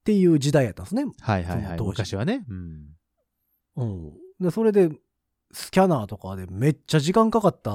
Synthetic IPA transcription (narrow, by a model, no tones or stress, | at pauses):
t̪e̞jɯ̟ːd͡ʑid̪aid̪at̪ːãnsnehaihaoha̰t̪omɯkaɕiβaneɯ̟̃ɴ | ɯ̟̃d̪eso̞ɾe̞d̪e̞ | sɨ̥kʲanaːt̪o̞kad̪e̞me̞t͡ɕːaʑikãŋkakat̪ːa